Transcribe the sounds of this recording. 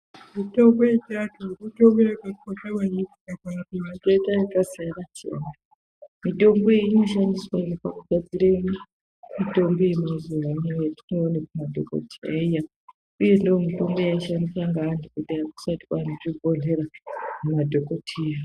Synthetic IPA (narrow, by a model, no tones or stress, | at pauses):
mitombojet͡ʃatuutombojakakotewanikiakaumatetaikasaɾat͡ʃḛna | mito̞mboiinoʃandiswainepakuɡʱad͡ziɾeni | mitombojemazuwanejetinoonekumadʱoko̰tʰia̰ija | uje̞ndoomito̞mbojaʃandisaŋɡaːndikutiaku̥sati̥kanoʐibʱoneɾamumadʱokotʰia